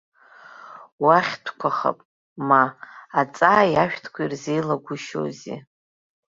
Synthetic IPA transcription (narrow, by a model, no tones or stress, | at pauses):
waχʲtʷʰkʷʰaχa̰pʼ | maːt͡sʼaːjaʃᶣtʰkʷʰairze̞jlaɡʷʊʃo̰zḭ